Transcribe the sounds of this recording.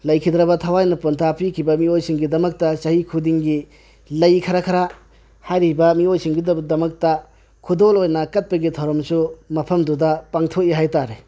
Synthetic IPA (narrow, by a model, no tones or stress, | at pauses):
lɐjkʰidɾɐbɐtʰɐwajnɐpuntʰapikʰibɐmiojsiŋɡidɐmɐk̚tɐsɐɦhikʰudiŋɡi | lɐjkʰɐɾɐkʰɐɾa | hajɾibɐmiojsiŋɡiddɐmɐk̚tɐ | kʰudolojnɐkɐt̚pɐɡitʰɐwɾɐmsumɐpʰɐmdudɐpaŋtʰokiɦajtaɾe